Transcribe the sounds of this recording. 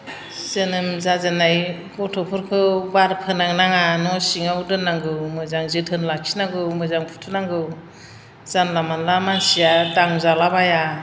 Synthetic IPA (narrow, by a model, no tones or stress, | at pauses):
sɯnɯmzazɯnaj | ɡɔtʰɔpʰɔɾkʰɯbaɾpʰɯnaŋnaŋanɔsiŋawdɯnːaŋɡɯwmɯzaŋzɯtʰɯnlakʰi̥naŋɡɯwmɯzaŋpʰu̥tʰɯnaŋɡɯw | z̥anlamanlamansijadaŋzalabaja